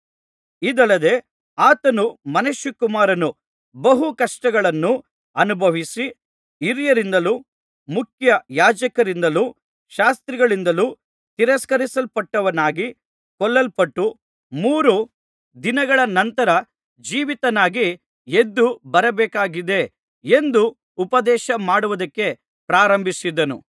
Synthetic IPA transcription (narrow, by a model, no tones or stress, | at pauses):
id̪ɐlːɐd̪e̞ | aːt̪ɐnumɐnɐʃjukumaːɾɐnu | bɐɦukɐʂʈɐɡɐɭɐnːu | ɐnubʱɐʋisi | iɾijɐɾind̪ɐluː | mukʰjɐjaːd͡ʒɐkɐɾind̪ɐluː | ʃaːst̪ɾiɡɐɭind̪ɐluː | t̪iɾɐskɐɾisɐlpɐʈːɐʋɐnaːɡi | kɔlːɐlpɐʈːu | muːɾu | d̪inɐɡɐɭɐnɐnt̪ɐɾɐ | d͡ʒiːʋit̪ɐnaːɡi | ed̪ːubɐɾɐbɛːkaːɡid̪e̞ | end̪uː | pɐd̪ɛːʃɐmaːɽuʋɐd̪ɐkːe̞ | pɾaːɾɐmbʱisid̪ɐnṵ